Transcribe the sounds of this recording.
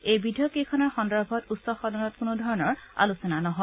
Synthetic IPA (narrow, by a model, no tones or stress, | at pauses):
ejbidijɔkekʰɔnɔɹxɔndɔɹbʱɔtutsɔxɔdɔnɔt̚kʊnudʱɔɹɔnɔɹa̰lusɔnanɔɦɔ